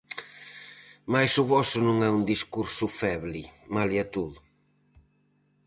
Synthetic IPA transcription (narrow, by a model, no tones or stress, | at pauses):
majsʊβɔsʊnũŋɛund̪iskuɾsʊfɛβlimaliat̪uð